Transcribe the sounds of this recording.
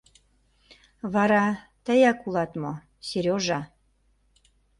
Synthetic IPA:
βɑɾɑ | t̪əjækulɑt̪mo | seɾʲjoʒɑ

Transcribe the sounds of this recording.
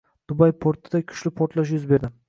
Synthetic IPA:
d̪̥ʊbajpʰoɾt̪ʰɪd̪akʲʰʊ̥ʃlɪpʰoɾt̪laʃ̬jʊzbe̞ɾd̪ɪm

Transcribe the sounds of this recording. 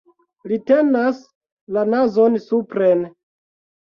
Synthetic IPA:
litenas | lanazo̞nsupɾen

